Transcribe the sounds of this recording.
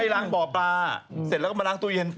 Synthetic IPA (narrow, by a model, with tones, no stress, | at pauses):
a˥˩jlaː˦˥˩ŋbɔː˨˩plaː˧st̪̚lɛ˦˥kːma˧laː˦˥˩ŋt̪u˥˩˨je˧n